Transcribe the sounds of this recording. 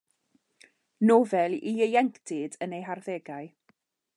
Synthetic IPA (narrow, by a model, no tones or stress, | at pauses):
novɛlˠiəjɛŋkʰd̥ʰɪdənejɦarðeːɡaɨ